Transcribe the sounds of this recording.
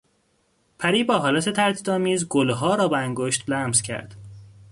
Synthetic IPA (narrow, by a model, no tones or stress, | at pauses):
pʰæɾiːbɒːɦɒːlæt̪ʰet̪ʰæɾt̪ʰiːd̪ɒːmiːzɡolɦɒːɾɒːbeæŋɡoʃt̪blæmz̥cʰæ̰ɾd̪̥